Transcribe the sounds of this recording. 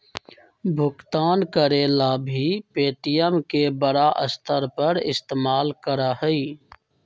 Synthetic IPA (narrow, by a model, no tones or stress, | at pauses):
bʱʊkt̪aːnkəɾeːlabʱipeːʈijəmkebəɽaʔəst̪ʰəɾpəɾɪ̰st̪eːmaːlkəɾahɛiː